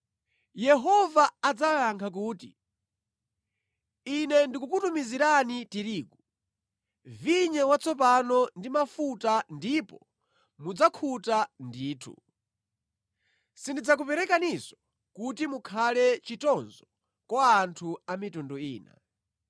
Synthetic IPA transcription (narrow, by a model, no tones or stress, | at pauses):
jɛɦɔvaːd͡zajaŋkʰak̬uːti | inɛndikukutumiziɾanitiɾiːɡu | viɲɛwat͡sʰɔp̬anɔndimafutandipɔ | mud͡zakʰutandiːtʰṵ | sindid͡zak̬upɛɾɛkanisɔ̥ | kutimukʰalɛt͡ʃitɔnzɔ | kwaːntʰuamitundɔḭːna̰